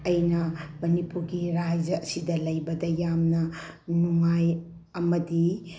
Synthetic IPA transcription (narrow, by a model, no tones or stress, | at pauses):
ɐjnɐmɐnipuɾɡiɾad͡ʒɐɐsidɐlɐjbɐdɐjamnɐnuŋaj | ɐmɐdi